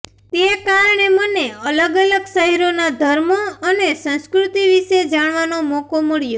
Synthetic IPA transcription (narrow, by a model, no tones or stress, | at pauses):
t̪ekaɾɳ̃eməneələɡələɡsəɦiɾonad̪ʱəɾmoənesə̃nskɾut̪iʋiʃed͡ʒaɳʋanomɔkoməɭjo